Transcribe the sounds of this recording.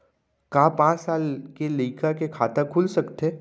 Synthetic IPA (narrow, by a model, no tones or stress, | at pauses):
kaːpãːt͡ʃsaːlkeləikakekʰaːt̪əkʰulsɐkt̪eː